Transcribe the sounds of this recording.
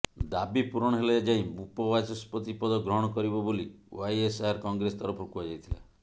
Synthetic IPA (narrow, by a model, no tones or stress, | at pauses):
d̪abipuɾɔɽ̃ɔɦeled͡ʒaĩbupɔbasɔspɔt̪ipɔd̪ɔɡɾɔɦɔɽ̃ɔkɔɾibɔboliwajesaɾkɔŋɡɾesɔt̪ɔɾɔpʰokuad͡ʒajt̪ʰila̰